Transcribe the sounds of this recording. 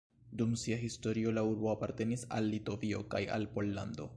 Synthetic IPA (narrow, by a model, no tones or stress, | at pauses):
dumsiaɦisto̞ɾio̞lauɾbo̞apaɾte̞nisa̰lːito̞vio̞̰kaja̰lpo̞lːando̞̰